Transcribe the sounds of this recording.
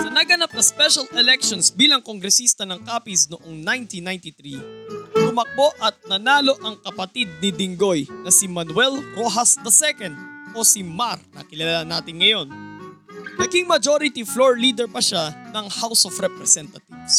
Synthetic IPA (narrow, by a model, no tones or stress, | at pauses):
sɐnɐɡɐnap̚nɐspɛʃɐlɛlɛk̚ʃonsbiːlɐŋkoŋɡɾɛsist̪ɐnɐŋkaːpisnoʔoŋnajnt̪inaj̃nt̪it̪ɾilʊmɐk̚bo̞ʔɐt̪̚nɐnaːlo̞ʔɐŋkɐpɐt̪id̪̚nɪd̪ɪŋɡo̞jnɐsimɐnwɛlɾoɦɐsd̪ɐsɛkɐnd̪̚osimaɾnɐ̰kɪlɐllanaːt̪ɪnŋɐjo̞n | nɐkiŋmɐd͡ʒoɾɪt̪ifloɹliːd̪ɛɹpɐʃanɐŋhawsofɾɛpɾɛsɛnt̪ɐt̪iv̥s